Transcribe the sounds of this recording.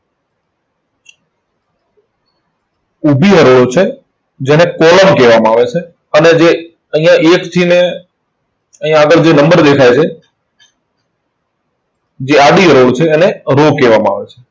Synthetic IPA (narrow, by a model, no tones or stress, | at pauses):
ʊbʱiɦəɾoːɽot͡ʃʰe | d͡ʒɛ̃ːnẽkɔːləmkeːʋaːmãaːʋesʰe | ənɛd͡ʑeː | əĩːãʔeːkt̪ʰiːnẽ | əĩãəɠəɭd͡ʑeːnə̃mbəɾɗ̪eːkʰaːet͡ʃʰe | d͡ʑeːaːɗiɦəɾoːɽt͡ʃʰeɛːneɾoːkeːʋaːmãa̰ːʋet͡ʃʰe